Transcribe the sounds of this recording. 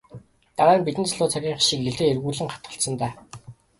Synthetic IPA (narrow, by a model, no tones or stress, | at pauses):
t̪aʁæːmpit̪ɘ̆nt͡sʰɮʊːt͡sʰaɣʲiːɴχʃiːkeɮt̪eːerɣuːɮɘ̆ŋχḁt̪ɢə̆ɬt̪sə̆nt̪æː